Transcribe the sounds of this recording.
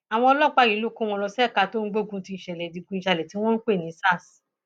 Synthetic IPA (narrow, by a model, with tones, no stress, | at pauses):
a˨w̃ɔ̃˧ɔ˧lɔ˦˨k͡pa˦˨i˨˦lo˦˨kõ˦w̃ɔ̃˧lɔ˧sɛ˦˨ka˧˨to˦ŋ̩˦ɡ͡bo˦˨ɡũ˧ti˧˨ʃɛ˨lɛ˨di˨ɡũ˧ĩ˨ʃa˧˨lɛ˨ti˨˦w̃ɔ̃˦n̩˦k͡pe˦˨nĩ˨˦sa˦˨s